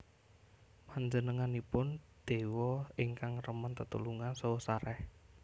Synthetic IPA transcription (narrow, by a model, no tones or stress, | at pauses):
maɲd͡ʒənəŋanipʊn | d̪̥e̤wɔɪŋkaŋrəmənt̪ət̪uluŋansosaɾɛh